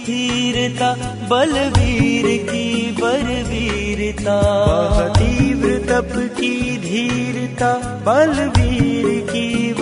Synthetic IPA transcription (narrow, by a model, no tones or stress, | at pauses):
dʱiɾt̪a | bɐlʋʱiɾkibɐɾʋiɾt̪aɐt̪iʋɾɪt̪ɐpkid̪ʱiːɾt̪a | bɐlbiːɾki